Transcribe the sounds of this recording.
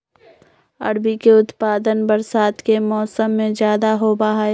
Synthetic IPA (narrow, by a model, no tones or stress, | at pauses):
ɐ̰ɽbikeʊt̪paːd̪ənbəɾsaːt̪kemɔːsəmːẽzjaːd̪aɦobaɦae